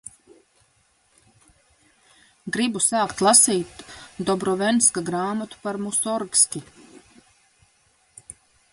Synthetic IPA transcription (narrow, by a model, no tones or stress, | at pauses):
ɡɾibusaːkt̪lˠasiːt̪d̪ɔbɾɔvɛnskaɡɾaːmat̪u̥paɾmusɔɾkskʲi